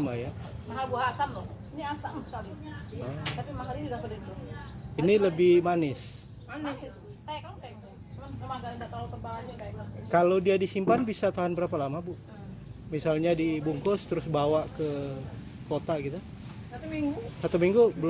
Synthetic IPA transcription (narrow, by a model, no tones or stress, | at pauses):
majamaɦalbuɦaːsamlʊhiniasamsə̥kali | t̪apimakalit̪idaʔsədit̪əɾʊiniləbɪhmanɪs | ans | kajakakajŋ | amaɡaŋdaʔt̪alop̪əbaad͡ʒakajaklakalodiadisimpanbisat̪aɦʊnbəɾapalamabu | misalɲadibuŋkʊst̪əɾʊsbawaʔkə | kot̪aɡit̪u | sat̪umiŋɡusat̪umiŋɡubəl